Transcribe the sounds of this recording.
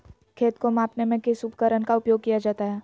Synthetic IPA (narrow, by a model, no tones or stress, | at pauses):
kʰeːt̪komãːpnemẽkesʊbkəɾənkaʊpjoːɡ̚kijad͡ʒaːt̪aɦɛː